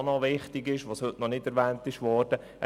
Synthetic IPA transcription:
nɔʋɪχtɪɡɪʃʋoːshɵtnɔnɪdɛɾʋæːntɪʃʋɔːɾd̥ə | ə

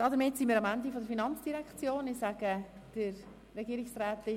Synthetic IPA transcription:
d̥ɑːdəɾmɪtsinmiːɾɑmændifodəɾfinɑnt͡sd̥iɾɛkχt͡sjoːnɪsaɡ̥ə | d̥əɾ | rɛɡiːɾɪksrɛːt̪ɪ

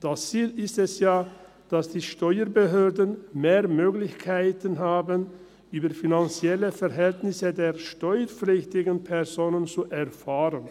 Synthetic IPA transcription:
d̥ast͡siːlɪstɛsjaː | d̥asd̥iːʃtɔʏəbəɦøːɐdənmeːɐmøːɡlɪçkʰaɪtənɦaːbən | ʔyːbɐfinant͡sjɛləfɛʁɦɛltnɪsədeːɐʃtɔʏəp͡flɪçtɪɡn̩pʰɛʁzoːnənt͡suʔɛɐfaːʁən

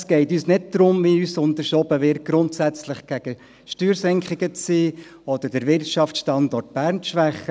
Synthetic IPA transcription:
sɡ̥ɛɪtyːsnɪd̚tɾʊmʋiyːsʊnd̪əɾʃɔbəʋɪɾ̚ɡ̥ɾʊntsæt͡slɪχɡ̥æɡ̥ə | ʃtyːɾsɛŋkχɪɡət͡siː | ɔd̥̪əɾdəɾʋɪrtʃɑftsʃtɑnd̪ɔrt̚b̥æːɾnʃʋæχːə

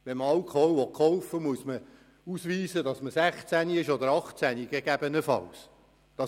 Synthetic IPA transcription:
ʋɛmɑlkʰɔwʋɔtkʰɔwfəmuəsmə | usʋiːsədɑsməsæχt͡sæniɪʃɔd̪əɾɑχt͡sæniɡ̥ɛɡ̥æbənəfɑ̰ws | d̥ɑ

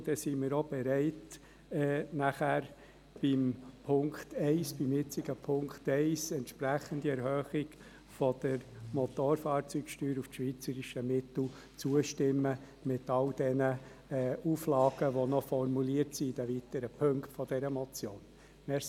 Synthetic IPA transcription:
d̥ɛsimɪːɾob̥ɛɾɛɪt | ɛːnæχæɾ | b̥impʰʊŋktɛɪsb̥imjɪt͡siɡəpʰʊŋktɛɪsɛntʃpræχəndiɛɾhœːχɪɡ | fɔd̥əɾmɔt̪oɾfɑːɾt͡syːkʃtyːɾufʃʋiːt͡səɾiʃəmɪt̪l̩ | t͡suəʃtɪmːə | mɪtɑld̥ɛnəɛːuflɑːɡ̥əʋonɔfɔrmuliətsid̥æʋitəɾəpʰɵŋktfɔd̥ɛɾəmɔt͡sjoːn | mɛs

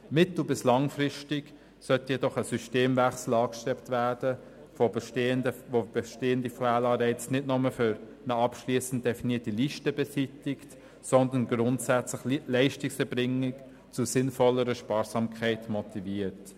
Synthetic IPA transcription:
mɪtl̩bɪslɑŋfɾɪʃtɪk | sœtjɛdɔχəsyʃteːmvæχsl̩ɑːkʃtɛptvæːɾd̥ə | fobʃteːəndəvob̥eʃteːəndifaːlɑːɾɛɪt͡snɪdnɔməfʏɾ | nəɑpʃliːsn̩t̚d̥ɛfiniːtiliʃtəbɛsitɪkt | sɔnd̪ənɡɾʊntsæt͡slɪχlɛɪʃtɪksɛɾbɾɪŋɪk | t͡susɪnfɔlːəɾəʃpɑːɾsɑːmkʰχɛɪtmɔtiviːəɾt

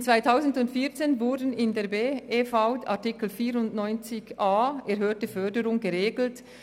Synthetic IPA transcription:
t͡sv̥aɪtʰaʊzn̩dʊntfiːɐt͡seːnvʊɾdn̩ɪndeːɐbeːefaʊtʰa̰ʁtikl̩fiːɾʊndnɔʏnt͡sɪçaːɛɐɾɦøːtəfœɐdəʁʊŋɡəʁeːɡl̩t

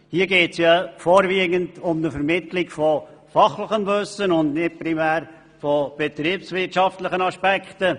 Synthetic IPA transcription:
hiːəɡeːtsjɑfɔːɾviːəɡəndʊmnəfɛɾmɪtlɪkfɔfɑχlɪχənbɵsənʊndnɪt̚pɾimæːɾ | fɔb̥ɛtɾiːpsvɪtʃɑftlɪχənɑʃpɛkχtə

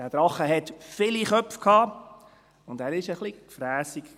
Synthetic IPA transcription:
æːd̥ɾɑχːəɦɛt̪fɪliχœfkʰhɑː | ʊndæːɾɪʃəχlikfɾæːsik

